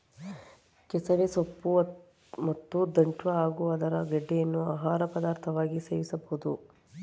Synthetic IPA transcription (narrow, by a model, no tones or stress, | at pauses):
kɛsɐʋesopːu | mɐt̪ːud̪ɐɳʈʋɐaːɡuɐd̪ɐɾɐɡɐɖːejɐnːuaːɦaːɾɐpɐd̪aːɾt̪ʰɐʋaːɡiseːʋisɐbɐɦud̪u